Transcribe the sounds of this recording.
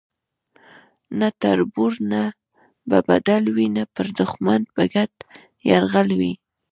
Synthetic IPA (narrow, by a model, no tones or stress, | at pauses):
nat̪aɾbuɾna | baba̰d̪alwinapəɾd̪ʊxmand̪̚baɡat̪ | jaɾɣalwi